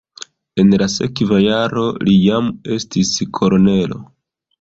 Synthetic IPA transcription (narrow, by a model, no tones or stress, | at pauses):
e̞nlase̞kvajaɾo̞lijame̞stiskʰo̞lone̞lo̞̰